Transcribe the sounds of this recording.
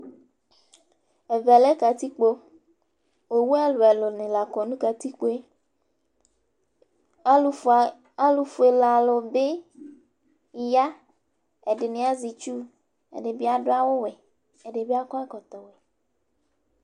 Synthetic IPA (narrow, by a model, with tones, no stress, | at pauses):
e˨vɛ˨le˦ka˨t̪i˦k͡po˦ | we˨wu˦a˦lo˨e˨lo˨nẽ˨la˨kɔ˨nũ˦ka˨t̪i˦k͡po˦e˦ | a˦lu˨fu˨e˨la˨lo˨be˦˨ | ja˦ | e˨ɖe˨nẽ˨a˦zi˨t͡ʃu˦ | ḛ˨ɖe˨bi˦a˨ɖo˦a˦wo˦we˨ | e˨ɖe˨be˦a˦kɔ˦e˦kɔ˨t̪ɔ˨wɛ˨